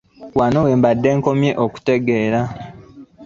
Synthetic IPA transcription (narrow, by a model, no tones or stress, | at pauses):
wanowe̞ːmbadːe̞ːŋko̞mje̞ʔoku̥te̞ɡeːɾa